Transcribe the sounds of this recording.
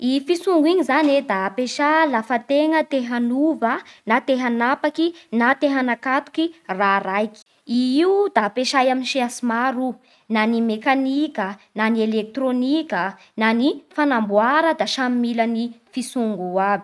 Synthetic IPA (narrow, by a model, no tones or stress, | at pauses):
ifisuŋɡiɲizaned̪apeʃalafat̪eŋət̪eɦanuvənat̪eɦanapakinat̪eɦanakat̪u̥kiraɾajki̥ | iiud̪apeʃajaminʃiasimaɾu | nanimekanikənanielek̚t̪ronikə | nanifanambuaɾəd̪aʃammilənifisuŋɡuabi̥